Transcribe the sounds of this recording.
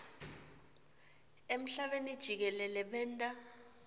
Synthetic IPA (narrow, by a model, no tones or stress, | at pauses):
em̩ɬaɓenid̥ʒ̥ʱik̬ɛlɛlɛɓɛːntʼa